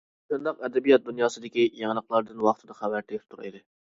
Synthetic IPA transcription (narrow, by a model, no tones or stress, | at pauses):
t̪ɨnd̪ɑqɛd̪ɛbijɑt̪̚d̪unjɑːsɨd̪ɪkʲijeŋlˠəqlˠɑɾd̪ɨnwɑχt̪ʰɨd̪ɑχæwæɾt̪ʰep̚t̪ʰuɾḭd̪ɪ